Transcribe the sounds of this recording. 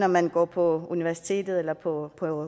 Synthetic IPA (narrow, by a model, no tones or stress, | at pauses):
nɒmænɡ̥ɒ̰ːpʰɒ̽uniʋæɐsi̥t͡sʰe̝̰ːd̥ð̞̩ˠelɐpʰɒ̽pʰɒ̽ø